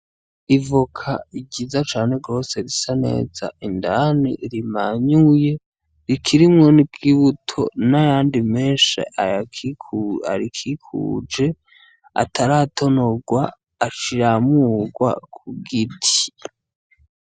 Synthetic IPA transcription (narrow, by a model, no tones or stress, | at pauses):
ivukʰa̰iɟizat͡ʃaːne̞ɡo̞ːse̞ɾisane̞̰ːza̰ʔindanḭɾimaɲuje̞ | ɾikʰiɾimŋonib̚ɡiβutʰo̞̰najaːndimeːnʃḛʔaak | a̰ɾikʰikʰṵːd͡ʒe̞ | a̰tʰaɾatʰo̞noɡwaː | t͡ʃiɾamuːɡwa̰kʰuɡitʰi̥